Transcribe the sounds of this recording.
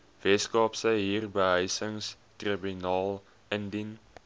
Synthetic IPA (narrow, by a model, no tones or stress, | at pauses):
vɛskɑːpsəɦiːrbəɦəjsəŋs | tribynɑːlˠ | əndin